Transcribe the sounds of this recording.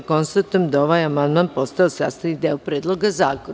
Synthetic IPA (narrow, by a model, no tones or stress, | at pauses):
ko̞nst̪at̪ojemd̪aoʋajamand̪maːnpo̞st̪aosa̰ːst̪anid̪eopɾeːd̪lˠoɡazaːko